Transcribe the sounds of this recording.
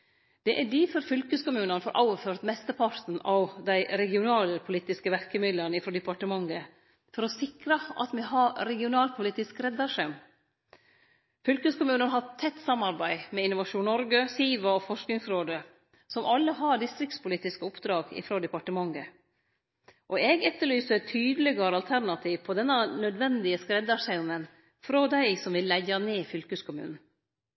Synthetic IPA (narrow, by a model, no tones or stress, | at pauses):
d̪̥ɛʔæɖɪfɔɾfʏlkəskʊmʉːnənfoːɾʔɑ̰ʊʋəføːɾt̪mɛst̪əpʰɑɾt̪n̩ɑʋd̪æɪɾɛɡɪʊnɑːləpʰʊliːt̪ɪskəʋæɾkəmɪd̪lənəɪfɾoːd̪ɛpɑʈəmɑŋːə | fɔɾɔsɪkɾəʔɑ̰t̪mɛɦɑɾɛɡɪʊnɑːlpʰʊliːt̪ɪskɾɛd̪ɑʂɛm | fʏlkəskʊmʉːnənɦɑt̪ʰɛt̪ːsɑmːɑɾbæɪmɛɪnʊʋɑʂuːnɔɾɡəsiːʋɑɔfɔʂknɪŋsɾoːd̪ə | sɔmɑlːəɦɑɖɪst̪ɾɪkt̪spʊliːt̪ɪskəʊpd̪ɾɑːɡɪ̰fɾoːd̪ɛpɑʈəmɑŋːə | ʔɔɛɡɛt̪ːəɭyːsəɾt̪ʰyːd̪ələɡɑɾəɑlt̪ʰæɾnɑt̪ʰiːʋpʰɔd̪ɛnːɑnœd̪ʋɛnd̪ɪəskɾɛd̪ɑʂæʊnən | fɾɔd̪æɪsɔmʋɪlːæɡɑneːfʏlkʉskʰʊmʉ̰ːnn̩